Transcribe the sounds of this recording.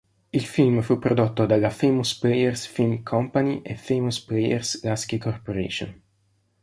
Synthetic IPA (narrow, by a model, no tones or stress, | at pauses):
ilfilmfupːɾod̪ot̪ːod̪alafejmusplejersfilmkʰɔmpaniʔefejmusplejḛrslaskekorpoɾḛːʃo̰n